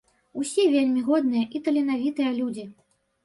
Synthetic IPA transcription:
usʲɛvʲelʲmʲiɣɔd̪̚nɨjɐʔit̪ɐlʲinavʲit̪ɨjɐlʲud͡zʲi

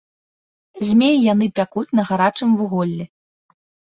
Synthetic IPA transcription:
zʲmʲejjanɨpʲakut͡sʲn̪ɐɣaɾat͡ʂɨmvuɣɔlʲːɛ

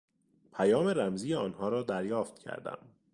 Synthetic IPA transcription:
pʰæjɒːme̞ɾæmziːjeɒːnhɒːɾɒːd̪æɾjɒːft̪cʰæ̰ɾd̪æ̰m

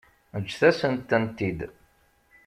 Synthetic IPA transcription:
əd͡ʒːθæsənt̪ːənt̪id̪

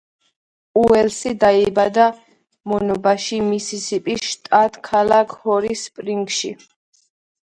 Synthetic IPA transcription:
uɛlsid̪aibad̪a | mɔnɔbaʃimisisipʼisʃt̪ʼat̪ʰʼkʰalakʰhɔɾispʼɾiŋɡʃḭ

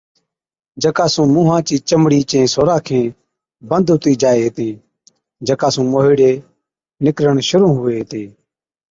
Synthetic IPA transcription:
d͡ʒəkaːsũːmũːɦãːt͡ʃiːt͡ʃəmɽiːt͡ʃẽːsoːɾãːkʰẽː | bənd̪ɦʊt̪iːd͡ʒaːeːɦt̪ẽː | d͡ʒəkaːsũːmoːɦiːɽeː | nɪkɾəɳʃʊɾũːɦʊeːɦt̪ẽː

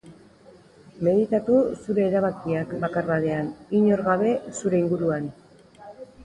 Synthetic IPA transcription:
me̞ðit̪at̪usuɾe̞ːɾaβ̞akiakbakaraðe̞aniɲo̞ɾɣaβ̞e̞suɾe̞iŋɡuɾuan

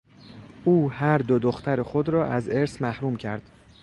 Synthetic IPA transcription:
ʔuːhæɾd̪od̪oxt̪ʰæɾexo̞d̪ɾɒːʔæzeɾsmæhɾuːmcʰæɾd̪̥

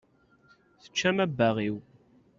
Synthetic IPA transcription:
θə̥t͡ʃːæmæbːæʁiw

